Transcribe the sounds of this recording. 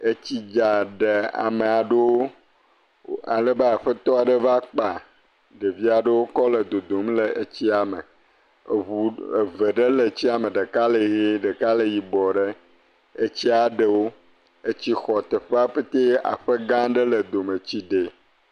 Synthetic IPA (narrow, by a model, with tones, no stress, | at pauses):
e˦t͡ɕi˦d͡ʒa˨ɖe˨a̰˨me˨a˨ɖe˦wo˦ | a̰˨lə˦be˦a˨ɸə˦t̪ɔ˦a˨ɖə˦va˦k͡pa˨ | ɖe˨vi˦a˨ɖə˦wo˦kɔ˦lə˨d̪o˨d̪o˨mle˨ʔe˦t͡ɕi˦a˨mə̰˨ | u˨e˨ve˨ɖe˦le˨t͡ɕi˦a˨me˨ɖə˨ka˦le˨ɣe˦ɖə˨ka˦le˨ji˨bɔ˨ɖe˦ | e˦t͡ɕi˦a˨ɖə˨wo˦ | e˦t͡ɕi˦xɔ˨t̪e˨ɸe˦a˦ɸe˦t̪e˦a̰˨ɸe˦ɡã˦ɖə˦lə˨d̪o˨me˨t͡ɕi˦ɖe˨